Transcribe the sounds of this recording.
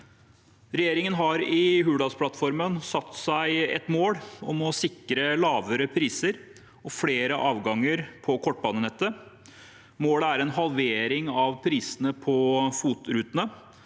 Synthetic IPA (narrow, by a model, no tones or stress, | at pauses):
ɾɛjeːɾɪŋənɦɑɾɪɦʉːɖɑspʰlɑt̪fɔɾmənsɑt̪ːsæɪɛ̰t̪moːɽɔmɔsɪkɾəlɑːʋəɾəpʰɾiːsəɾ | ɔfɽeːɾəʔɑːʋɡɑŋːəɾpʰɔkʰɔʈ̚ːbɑːnənɛt̪ːə | moːɽəæɾɛnɦɑlʋeːɾɪŋɑʋpʰɾiːsənəpʰɔfuːt̪ɾʉːt̪ənə